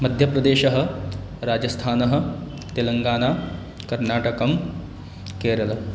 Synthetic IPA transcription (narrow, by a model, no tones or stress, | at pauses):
mɐd̪ʱjɐpɾɐd̪eːʃɐɦɐ̆ | ɾaːd͡ʒɐst̪ʰaːnɐɦɐ̆ | t̪elɐŋɡaːnaː | kɐɾnaːʈɐkɐm | keːɾɐl